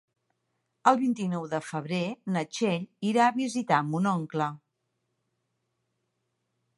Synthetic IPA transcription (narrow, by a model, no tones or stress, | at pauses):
əlˠβint̪inɔwðəfəβ̞ɾenət͡ʃeʎiɾaəβizit̪aəmunɔŋklə